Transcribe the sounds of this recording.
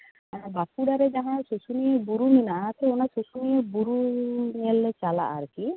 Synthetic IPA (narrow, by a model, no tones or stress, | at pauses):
aɾbapuɽaɾed͡ʒaɦãsusuniebuɾuminaʔat̪eonasusuniebuɾuniɛlːet͡ʃala̰ʔa̰ɾki